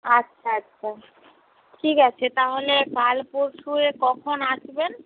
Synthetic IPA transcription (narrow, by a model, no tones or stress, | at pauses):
atːɕʰaatːɕʰa | ʈʰikat͡ɕʰet̪aɦolebalpoɾʃuekɔkʰonaʃben